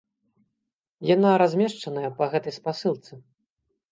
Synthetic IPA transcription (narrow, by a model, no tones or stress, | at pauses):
jan̪aɾazʲmʲɛʂt͡ʂɐnɐjɛpɐɣɛt̪ɐjspasɨlˠt̪sɨ